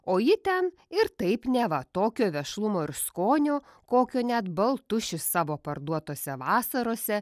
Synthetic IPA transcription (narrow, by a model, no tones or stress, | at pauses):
oːjɪt̪ʲɛn | ɪɾt̪ɐɪpnʲæʋɐt̪oːkʲoːʋʲɛʃlˠʊmoːɪɾskoːnʲoːkoːkʲoːnʲɛt̪bɐlˠt̪ʊʃʲɪsɑːʋoːpɐɾd̪uɔt̪oːsʲɛʋɑːsɐɾoːsʲɛ